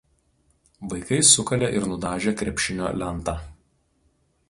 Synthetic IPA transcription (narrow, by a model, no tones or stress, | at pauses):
ʋɐɪkɐɪsʊkɐlʲeʔɪɾnʊd̪ɑːʒʲeːkɾʲɛpʲʃʲɪnʲo̰ːlʲɛnt̪ɑː